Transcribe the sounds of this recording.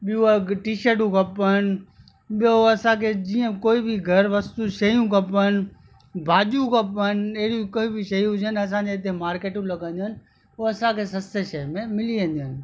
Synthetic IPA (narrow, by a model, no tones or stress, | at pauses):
ɓɪũaʈiːʃəɾʈũkɐpən | ɓɪjoɐsãkʰed͡ʑiːə̃koːibʱiɡʱɐɾʋɐst̪uʃɐjũkɐpən | bʱaːd͡ʒũkɐpəneɦɽijũkoːibʱiʃɐɦijũɦʊd͡ʒənɐs̬ãeɪt̪̬emaːɾkeːʈũlɐɡə̃nd̪ənɪ̆ | oɐsãkʰesɐst̪eʃɐmẽmɪliə̃nd̪ənɪ̆